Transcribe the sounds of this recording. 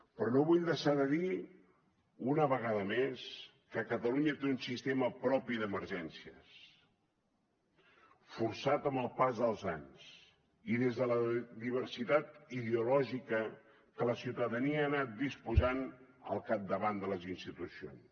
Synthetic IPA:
pɾɔnoβuʎd̪əʃaðəði | unəβəɣ̞aðəmes | kəkət̪əluɲət̪eunsist̪eməpɾɔpiðəməɾʒɛnsiəs | fuɾsat̪əmbəlˠpazðəlˠzaɲs | iðezðələðiβ̞əɾsit̪at̪iðeulɔʒikə | kələsiwt̪əðəniəːnat̪̚d̪ispuzan | ə̰lˠkap̚d̪əβand̪ələzinst̪it̪usio̰ns

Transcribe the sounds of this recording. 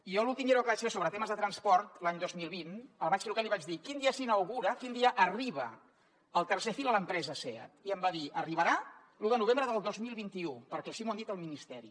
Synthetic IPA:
ijɔlulˠt̪imeɾokəβat͡ʃsesoβɾət̪eməzðət̪ɾənspɔɾt̪laɲd̪ozmilˠβinəlˠβat͡ʃseɾukaliβad͡ʒðikind̪iəsinəwɣuɾəkind̪iəʔəriβ̞ə | əlˠt̪ərsefilˠələmpɾɛzəsɛə̰t̪iəmbaðiʔəriβ̞əɾa | luðənuβembɾəðəlˠd̪ozmilˠβint̪iupəɾkɛsimuand̪it̪əlˠminist̪ɛɾḭ

